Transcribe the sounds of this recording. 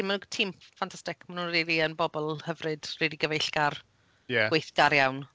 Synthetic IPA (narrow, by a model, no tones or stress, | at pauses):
inmanutʰiːmfantʰastɪkʰmanunriːliənbɔbɔlˠhəvrɨd̥riːdiɡəvejɬɡar | jɛwejθd̥aɾjawn